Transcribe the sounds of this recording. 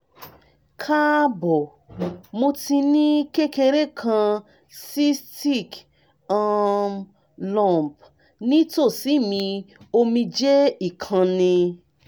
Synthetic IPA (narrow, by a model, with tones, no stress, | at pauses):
kʰa˦bɔ˨ | mo˧ti˧nĩ˦ke˦ke˧ɾe˦˨kʰã˧ | si˦sti˦˨k | a˦˧ | lɔ̃˦˨mp | nĩ˦to˦˨si˨˦˨mĩ˧o˧mĩ˧d͡ʒe˦i˦˨kʰã˧nĩ˧